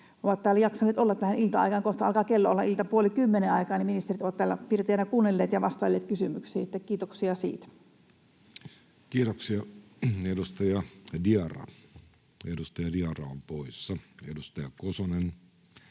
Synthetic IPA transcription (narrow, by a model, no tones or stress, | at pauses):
oʋɑt̪t̪æːlːæjɑksɑnːˑeːt̪olːɑt̪t̪æhænilt̪ɑɑ̰ikɑŋkoht̪ɑɑlkɑːkelːoolːɑʔilt̪ɑpuolikymːeneɑikɑːniminist̪erit̪oʋɑt̪t̪æːlːæ̰pirt̪eænækuːnːelːeːt̪jɑʋɑst̪ɑilːeːt̪kysymyksiːet̪ːækkiːt̪oksiɑsḭːt̪æ | kiːt̪oksiɑ | edust̪ɑjɑdiɑrɑ̰ | edust̪ɑjɑdiɑrɑ̰ompoisːɑḛdust̪ɑjɑkosonen